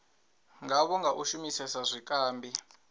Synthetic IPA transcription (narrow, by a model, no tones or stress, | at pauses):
ŋɡaβɔŋɡaʔuʃumisɛsazʷikʼaːmbʱi